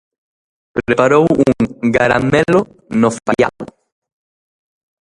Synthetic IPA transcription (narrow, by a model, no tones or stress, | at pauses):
pɾɾepaɾowuuŋɡaɾa̰melo | nofaja̰l